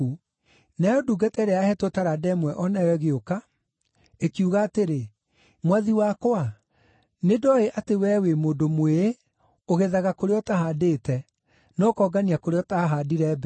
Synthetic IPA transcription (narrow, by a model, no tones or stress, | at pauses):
u | nɛɔduːɡatɛɾeahɛtotaɾadɛmwɛʔɔnɛwɛɣeoka | ekiuɣaːteɾe | mwaðiwakoa | nedɔeʔatewɛwemoːdomwee | oɣeðaɣakoɾeɔtaɦadetɛ | nɔkɔːɡaniakoɾeɔtaɦadiɾɛb